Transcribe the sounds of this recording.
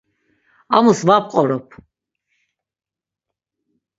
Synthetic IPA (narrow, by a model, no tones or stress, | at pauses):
amusvap̚qʼɔɾɔpʰ